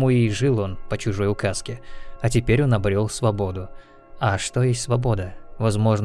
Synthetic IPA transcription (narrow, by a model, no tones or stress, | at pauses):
muɪʐɨlˠo̞npət͡ɕʊʐo̞jʊkaskʲɪɐtʲɪpʲeɾʲo̞nɐbɾʲolˠsvɐbo̞d̪ʊ | ɐʂt̪o̞jesʲtʲsvɐbo̞d̪əvɐzmo̞ʐn